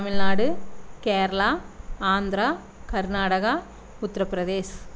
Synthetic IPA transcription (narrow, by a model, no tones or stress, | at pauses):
ɐmɪlnaːɽɯkeːɾɐlaːaːnd̪ɾaː | kɐɾnaːɽɐɣɐ | ʊt̪ːɾɐpɾɐðeːs